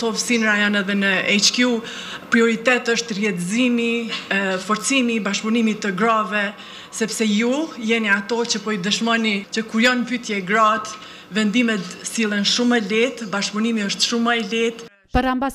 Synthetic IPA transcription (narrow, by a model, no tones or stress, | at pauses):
sɔvsinɾajɔnɛðɛnəɛt͡ʃkiu | pɾiɔɾit̪ɛt̪əʃt̪rjɛt̪zimi | fɔɾt͡simibaʃpunimit̪əɡɾavɛ | sɛpsɛjujɛniat̪ɔt͡ɕəpɔid̪əʃmɔnit͡ɕəkuɾjɔnpyt̪jɛɡɾat̪ | vɛnd̪imɛt̪silˠɛnʃumɛlit̪baʃpunimiəʃt̪ʃuməɛlɛt̪ | paɾamba